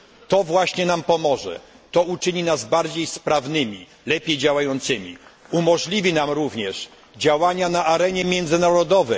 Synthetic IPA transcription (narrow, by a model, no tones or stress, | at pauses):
t̪ɔvwaɕɲɛnampɔmɔʐɛ̰ | t̪ɔut͡ʂɘɲinazbaɾd͡ʑejspɾavnɘmʲi | lɛpʲjejd͡ʑawajɔnt̪sɘmʲḭumɔʐlʲivʲinamɾuvɲɛʂ | d͡ʑawaɲanaʔaɾɛɲɛmʲjɛnd̪zɘnaɾɔd̪ɔvɛ